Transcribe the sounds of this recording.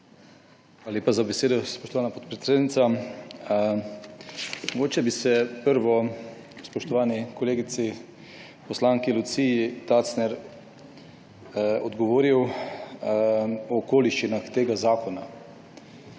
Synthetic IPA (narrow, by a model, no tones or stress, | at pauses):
aːlaleːpazabeseːd̪ɔspoɔʃt̪ɔʋaːnapɔt̪̚pɾet̪seːd̪nit̪sa | mmɔɡoːt͡ʃɛbisɛpəɾʋɔ | spɔʃt̪ɔʋaːnikoleːɡit̪si | pɔslaːŋkilut̪siit̪at̪snɛɾ | ɔd̪ɡɔʋoːɾiw | ɔːkoːliʃt͡ʃinaxt̪eːɡazaːkɔna